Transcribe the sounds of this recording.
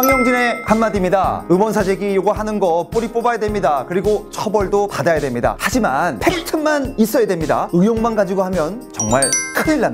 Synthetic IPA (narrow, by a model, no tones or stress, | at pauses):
aŋjʌŋd͡ʑime̞kamːadimɲida̰ɯmwʌns̬ʰad͡ʑe̞ɡijoɡaɦanɯnɡʌp͈oɾip͈obajadwemɲidakɯɾiɡot͡ɕʰʌbʌɭdopadajadwe̞mɲida̰had͡ʑimanpʰeɾitʰɯnmanis͈ʌjadwemɲida̰ɯjoŋmanɡad͡ʑiɡoɦamjʌnt͡ɕʌŋmaɭkʰɯniɭːan